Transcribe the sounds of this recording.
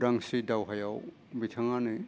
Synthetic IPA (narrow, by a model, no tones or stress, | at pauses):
daŋsidawɦajaw | bitʰaŋanɯ